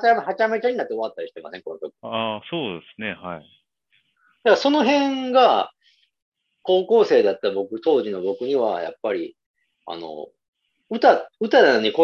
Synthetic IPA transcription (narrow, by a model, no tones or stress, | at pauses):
haamhat͡ɕame̞t͡ɕaɲ̟inat̪ːeo̞at̪ːaɾiɕi̥t̪e̞ma̰sẽ̞ŋko̞not̪okɯ̥asoːd̪esɨne̞hai | d̪̥aɡso̞no̞ɦẽ̞ŋɡa | ko̞ːko̞ːse̞ːd̪at̪ːabo̞kɯ̟t̪o̞ːʑino̞bo̞kɯ̟ɲ̟iβa̰ja̰pːaɾʲḭ | a̰no̞̰ | ɯ̟t̪aɯ̟t̪ad̪anoɲ̟iko